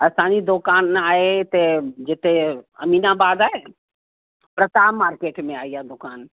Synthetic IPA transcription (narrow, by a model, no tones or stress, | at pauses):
ɐsaːnid̪okaːnaːet̪ed͡ʒɪt̪eɐ̰miːnabaːd̪aːe | pɾət̪aːmaːɾkeːʈmẽaːijad̪ʊkaːn